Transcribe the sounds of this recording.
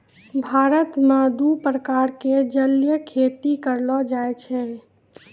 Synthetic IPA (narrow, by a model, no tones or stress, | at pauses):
bʱaɾət̪mãd̪upɾəkaɾked͡ʒəljəkʰet̪ikəɾlɔd͡ʒajt͡ʃʰɛ